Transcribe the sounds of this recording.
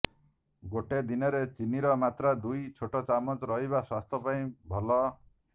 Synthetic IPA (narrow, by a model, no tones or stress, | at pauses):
ɡoʈed̪inɔɾet͡ʃiniɾɔmat̪ɾad̪ujt͡ʃʰoʈɔt͡ʃamɔt͡ʃɾɔɦiβaswast̪ʰɔpaĩbʱɔlɔ